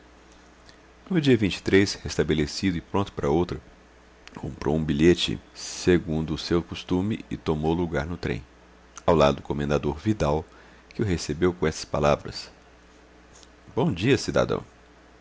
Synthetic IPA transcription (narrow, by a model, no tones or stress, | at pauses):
nʊd͡ʒiɐvĩnt͡ʃɪ̥t̪ɾeshest̪ɐbelesid̪ʊɪpɾõt̪ʊ̥paɾɐowt̪ɾɐ | kʰõmpɾʔo̰wũbiʎet͡ʃɪ̰seɡũnd̪ʊːsewkost̪ũmɪɪt̪omowluɡaɾnʊt̪ɾḛ̃j̃ | awla̰d̪ʊʊkomẽnd̪ad̪oɾvid̪aw | kɪʊɦesebewkõɛst̪ɐ̥spalavɾɐ̰s | bõw̃d͡ʒiɐsid̪a̰d̪ɐ̰̃w̃